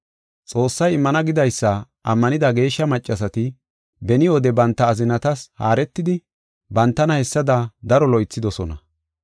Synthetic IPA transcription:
t͡sʼo̞ːsːɐjɪmːɐnɐɡɪd̪ɐjsːɐ | ʔɐmːɐnɪd̪ɐɡe̞ːʃːɐmɐt͡ʃʼːɐsɐt̪ɪ | bɛnɪɔd̪ɛbɐnt̪ːɐːzɪnɐt̪ɐsha̰ːɾɛt̪ːɪd̪ɪ | bɐnt̪ːɐnɐhɛsːɐd̪ɐd̪ɐɾɔlɔjt͡sːɪd̪ɔsɔnɐ

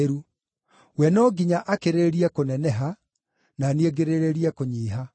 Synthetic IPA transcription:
ɾu | wɛnɔːɡiɲaʔakeɾeɾiɛkonɛnɛɦa | nanieɡeɾeɾeɾiɛkoɲiːɦa

